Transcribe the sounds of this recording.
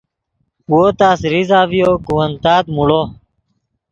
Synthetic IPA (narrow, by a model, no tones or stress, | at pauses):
woːt̪aːsɾizaːvijoːkuwɐnt̪aːd̪muɽoː